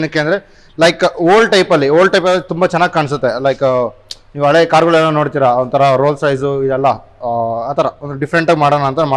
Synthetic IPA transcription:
nɐkːeɐnd̪ɐɾe | lɐjkoːlɖʈɐjpɐlːioːlʈɐjpɐlːit̪umbɐt͡ʃɛnːaːɡikaːɳs̬ut̪ːe̞lɐjkniːʋɐɭeːkaːɾɡɐɭenːɐno̞ːɽt̪iːɾaont̪ʰɐɾɐɾoːlsɐjsuid̪ɐlːɐ | aːt̪ʰɐɾɐond̪uɖifɾeɳʈaːɡmaːɽonaːnt̪ɐnma

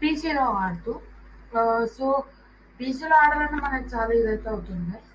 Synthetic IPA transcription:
biːsiloaːɽt̪u | soː | biːsiloaːɽɐlɐnːemɐnɐkit͡ʃaːlɐid̪ɐjt̪eːɐwut̪und̪i

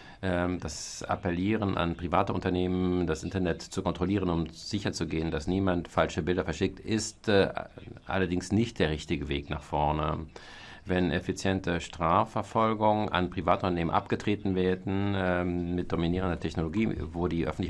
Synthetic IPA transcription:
ʔɛd̥asa̰pɛliːʁənʔa̰npʁ̥ivaːtəʔʊntɐneːməndasʔɪntɐnɛtt͡sukɔntʁ̥oliːʁənʊmz̥ɪçɐt͡suɡeːəndasniːmantfalʃəbɪldɐfɛɐʃɪk̚tɪstː | ʔa̰lɐdɪŋsnɪçt̚d̥eːɐʁɪçtɪɡəveːkna̰ːχfɔɐnə | vɛnʔɛfit͡sjɛntʰəʃtʁ̥aːfɛɐfɔlɡʊŋənʔa̰npʁ̥ivaːtəʔʊntɐneːmənʔa̰pɡ̥ətʁ̥eːtn̩veːɐdn̩ɛmɪt̚d̥ominiːʁ̞əndɐtʰɛçnoloɡiːvoːdiːʔœ̰fn̩tlɪ

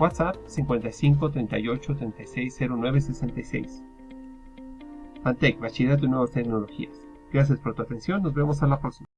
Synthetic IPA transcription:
wat̪sap̚siŋkwe̞nt̪ajsiŋk̬ot̪ɾe̞nt̪ajo̞t͡ʃo̞t̪ɾe̞nt̪ajse̞jse̞ɾonwe̞βesese̞nt̪ajse̞̰js | mant̪ekβat͡ʃiðat̪̬enwe̞βast̪e̞kno̞lo̞xḭas | ɡ̥ɾas̬jaspoɾt̪uat̪e̞nsjo̞nːo̞zβe̞mo̞s̬alapɾoksima

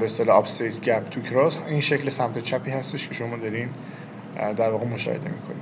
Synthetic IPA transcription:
best̪ɒleɒpsejt̪ʰɟæpʰt̪ʰucʰɾɒːziːnʃeclesæmt̪ʰet͡ʃʰæpʰiːhæst̪e̞ʃcʰe̞ʃomɒːd̪ɒɾin | d̪æɾvɒːɣemoʃɒ̰hed̪e̞̰miːkʰo̞nḭ

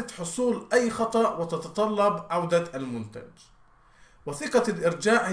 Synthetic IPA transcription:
at̪ħʊsˤuːlʔajːxɑt̪ˤɑʔwɪt̪ɑt̪ɑt̪ˤɑlːɑbʕawd̪aʔalmʊnt̪a̰d͡ʒ | wɪθɪqɑlʔɪɾd͡ʒaːʕ

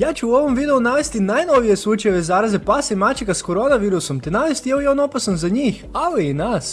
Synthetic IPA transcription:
jaːt͡ʃuuo̞ʋo̞mʋid̪e̞unaʋe̞st̪inajno̞ʋije̞slˠuːt͡ʃajeʋe̞zaːɾazepasimat͡ʃikasko̞ɾo̞naʋiːɾuso̞mt̪enaʋest̪ijeojono̞pasanzaɲiːx | aliinas

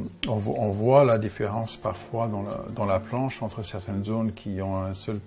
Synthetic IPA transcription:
ɔ̃vɔ̃vwalad̪ifeʁɑ̃spaʁfwad̪ɑ̰̃d̪ɑ̃laplɑ̃ʃɑ̃t̪χəsɛʁt̪ɛnzonkʰʲiɔ̃ɛ̃sœl

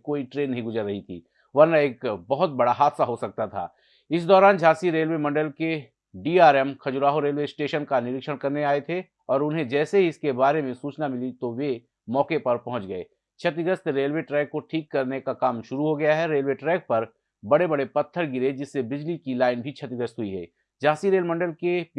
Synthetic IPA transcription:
koːiʈɾeːnːɐɦĩɡʊzəɾːɐɦit̪ʰḭː | ʋɐɾnaeːkbɐɦʊt̪̚bɐɽaɦaːd̪saɦosɐk̚t̪at̪ʰa̰ː | ɪs̬d̪ɔːɾaːnd͡ʒʱaːsiɾeːlʋeːmɐ̃ɳɖəlke | ɖiːaːɾɛmkʰɐd͡ʒʊɾaːɦoɾeːlʋesʈeːʃənkanɪɾɪkʃəɽ̃kɐɾneaːet̪ʰe | ɔːɾʊnɦẽd͡ʒɛːseɦiɪskebaːɾemẽsuːt͡ʃnamɪlit̪oʋe | mɔːkepɐɾpɐɦʊ̃t͡ʃɡɐḛː | t͡ʃʰɐt̪ɪɡəst̪ɾeːlʋeʈɾɛːkːoʈʰiːkːɐɾnekakaːmʃʊɾuɦoɡɐjaɦɛɾeːlʋeʈɾɛːk̚pɐɾ | bɐɽebɐɽepɐt̪ʰːəɾɡɪɾed͡ʒɪsːebɪd͡ʒlikilaːɪnbʱit͡ʃʰɐt̪ɪɡəst̪ɦʊiɦɛ̰ː | d͡ʒaːsiɾeːlmɐ̃ɳɖəlke

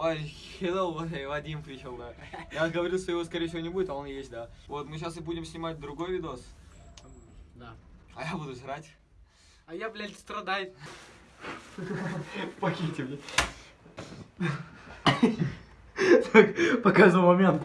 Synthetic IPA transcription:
a | ed̪əlˠvɐvɐdʲimpɾʲiɕolˠd̪ajaɡəvɐɾʲilˠʂt̪ojɪvo̞s̬kɐɾʲejəfsʲɪvo̞nʲɪbuɪt̪ɐonjesʲtʲd̪avo̞t̪mɨɕ̬asɨbudʲɪmsʲnʲɪmat̚ʲd̪ɾʊɡo̞jvʲɪd̪os | d̪aɐjabud̪ʊzʲɾatʲ | ɐjaplʲalʲt̪ʲst̪ɾɐd̪aj | pɐxʲitʲɪmnʲe | t̪ʰakpɐkaʒd̪ɨmɐmʲe̞nt̪

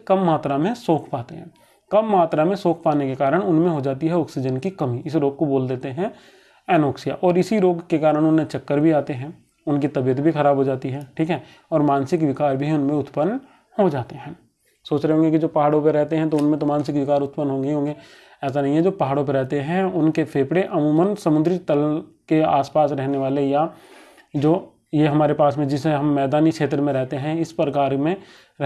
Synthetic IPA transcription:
kɐmːaːt̪ɾamẽsoːkʰpaːt̪ḛɦɛ̰̃ː | kɐmːaːt̪ɾamẽsoːkʰpaːnekekaːɾəɽ̃ʊnmẽɦod͡ʒaːt̪iɦɛɔːksɪd͡ʒənkikɐmiɪs̬ɾoːɡ̚koboːld̪eːt̪eɦɛ̃ | ɛːnoːksija̰ʔɔːɾɪsiɾoːɡkekaːɾəɽ̃ʊnẽt͡ʃɐkːəɾbʱiaːt̪eɦɛ̃ː | ʊnkit̪ɐbijət̪bʱixɐɾaːbʱɦod͡ʒaːt̪iɦɛːʈʰiːkɦɛ | ɔːɾmaːnsɪkʋɪkaːɾbʱiʊnmẽʊt̪pənː | hod͡ʒaːt̪eɦɛ̃ː | soːt͡ʃɾeɦõːŋɡekid͡ʒoːpɐɦaːɽõpeɾɛɦt̪eɦɛ̃t̪̬oʊnmẽt̪̬omãːnsɪkʋɪkaːɾʊt̪pənɦõːŋɡeɦõːŋɡeː | ɛːs̬anɐɦĩɦɛd͡ʒoːpɐɦaːɽõp̬eɾɛɦt̪eɦɛ̃ʊnkefʰeːpɽeʔɐmuːmənsɐmʊnd̪ɾit̪əlkea̰ːspaːsɾɛɦneʋaːleja | d͡ʒoː | jeɦɐmaːɾepaːsmẽd͡ʒɪseɦɐmːɛːd̪aːnikʃeːt̪ɾəmẽɾɛɦt̪eɦɛ̃ɪspɾəkaːɾmẽ | ɾɛ

